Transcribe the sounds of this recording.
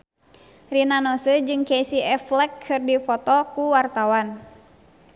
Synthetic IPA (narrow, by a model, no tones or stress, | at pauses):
rinanɔsəd͡ʒɨŋkesiɛflɛkʰɨrdifɔt̪ɔkuwart̪awan